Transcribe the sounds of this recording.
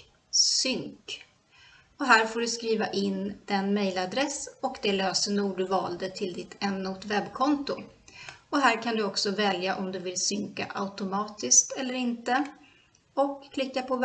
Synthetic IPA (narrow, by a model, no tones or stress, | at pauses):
sʏŋk | ɔɦæːɾfoːɖɵskɾiːvaʔɪnd̪̥ɛnmɛjlad̪ɾɛsɔkd̪ɛløːsənuːɖɵvɑ̰ːld̪ət̪ʰɪld̪ɪt̪ʰɛnːʊt̪vɛbːkʰɔnt̪ʊ | ɔɦæːɾkʰand̪ɵɔksɔvɛljaʔɔmd̪ɵvɪlsʏŋka̰ʔaʊt̪ʊmɑːt̪ɪskt̪ɛlːəɾɪnt̪ə | ɔkʰːlɪkːapʰɔ